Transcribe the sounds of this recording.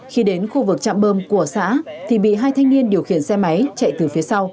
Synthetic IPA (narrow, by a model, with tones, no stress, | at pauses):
xi˧ɗe˨˦nxu˧vɨ˨˩k̚t͡ɕa̰ː˧˨mɓəː˧mku˧˩əsa̰ː˧˥t̪ʰi˨˩ɓḭ˧˨ɦaː˧jt̪ʰa˧jŋ̟ni˧ənɗi˨˩əwxḭ˧˩˨ənsɛ˧ma˨˦jt͡ɕa̰˧˨jt̪ɨ˨˩fi˨˦əsa˧w